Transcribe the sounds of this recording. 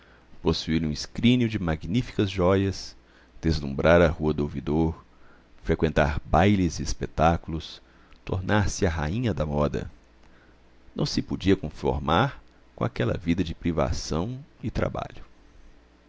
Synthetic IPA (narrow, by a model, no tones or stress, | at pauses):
posuiɾũiskɾĩniʊd͡ʒɪmaɡnifi̥kɐzʒɔjɐs | d̪̥ezlũmbɾʔaɾɐhuɐd̪ʊowvid̪oɾ | fɾekwẽnt̪a̰ɾbajlɪzɪːspet̪akulʊs | t̪o̰ɾnʔaɾsɪɐɦa̰ĩɲɐd̪ɐmɔd̪ɐ̰ | nɐ̰̃w̃sɪpod͡ʒiɐkõfo̰ɾmaɾ | kõa̰kɛlɐ̰vid̪ɐd͡ʒɪpɾiva̰sɐ̃w̃ɪt̪ɾa̰ba̰ʎʊ